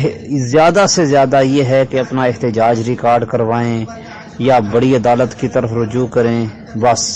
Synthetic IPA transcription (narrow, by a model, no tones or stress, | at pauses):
zjaːd̪asezjaːd̪ajeːɦɛkeɐpnaɪɦt̪ɪd͡ʒaːd͡ʒɾɪkaːɾɖkɐɾʋaːẽ | jaːbɐɽiɐd̪aːlət̪kit̪əɾəfɾʊd͡ʒuːkɐɾẽː | bɐs